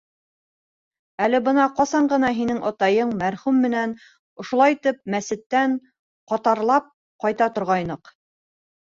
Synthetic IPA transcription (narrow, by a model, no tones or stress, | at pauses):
ælɘbɤnɑqɑsɑɴɢɤ̆nɑɦinɘŋʔɑt̪ɑjɤɴmæɾχʉmːɘ̆næn | ŏʃŏlˠɑjt̪ɘp̚mæsɘ̆t̪ːæɴ | qɒt̪ɑɾlˠɑp̚ | qɑjt̪ɑt̪ŏɾʁɑjnɤq